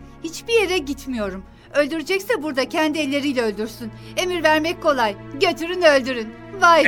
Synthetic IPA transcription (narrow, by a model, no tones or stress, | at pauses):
hit͡ʃbije̞ɾɛɟit̪mijo̞ɾum | ø̞lʲd̪yɾed͡ʒɛcsɛbuɾd̪acʰɛnd̪iɛlʲːe̞ɾijlʲɛø̞lʲd̪yɾsyne̞miɾvæɾmɛc̚kʰo̞lˠajɟø̞t̪ʰyɾynø̞lʲd̪yɾyn | vaj